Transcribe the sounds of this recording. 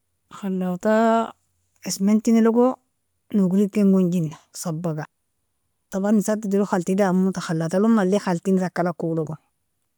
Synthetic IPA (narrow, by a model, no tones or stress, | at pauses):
xalːawta | esmentiniloɡo | nuɡuɾikeŋɡoɲɟinːasabːaɡa | tabanisatidiluxaltidamutaxalːawtalumalːexaltiniɾakːalakuloɡo